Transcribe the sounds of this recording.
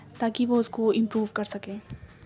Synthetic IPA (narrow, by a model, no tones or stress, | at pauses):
t̪aːkiʋoʊskoɪ̃mpɾuːʋkɐɾsɐkẽː